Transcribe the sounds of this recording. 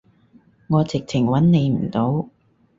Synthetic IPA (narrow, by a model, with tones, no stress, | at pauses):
ŋɔː˨˧t͡sɪ˨k̚t͡sʰɪ˨˩ŋwɐ˨˥nne˨˧jm̩˨˩t̪o˨˥w